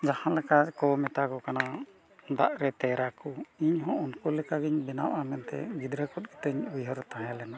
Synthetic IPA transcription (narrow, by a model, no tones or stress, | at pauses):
d͡ʒahãnlɛkakɔmɛt̪akɔkana | d̪a̰ʔɾɛt̪ɛɾakuiɲɦɔ̃unkulɛkaɡiɲbɛna̰wʔamɛnt̪ɛ̰ɡid̪ɾəkɔt̪̚ˀɡi̥t̪əɲujɦɔɾɛt̪ãɦɛ̃lɛna